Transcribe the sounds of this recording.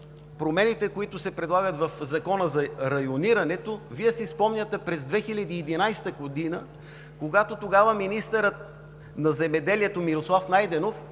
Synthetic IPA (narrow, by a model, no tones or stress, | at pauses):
pɾomɛnit̪ɛkoit̪ʊsɛpɾɛd̪lˠaɡət̪vɐfzɐkɔnəzɐɾɐjoniɾɐnɛt̪oviɛsispɔmnʲɐt̪ɛpɾɛzd̪vɛxilʲɐd̪iːd̪inajst̪əɡod̪inə | koɡat̪ot̪oɡavəminist̪əɾət̪̚ | nɐzɛmɛd̪ɛliɛt̪omiɾoslˠafnajd̪ɛnof